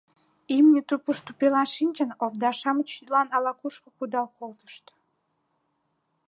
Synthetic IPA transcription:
imnʲet̪upuʃt̪upelɑnʃinʲt͡ɕənovd̪ɑʃɑmət͡ɕ̪lɑnɑlɑkuʃkəkud̪ɑlkolt̪ə̥ʃt̪

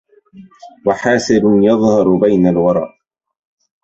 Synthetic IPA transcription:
waħaːsɪɾjɑðˤhɑɾˤbajnalwɑɾˤɑ̰ːʔ

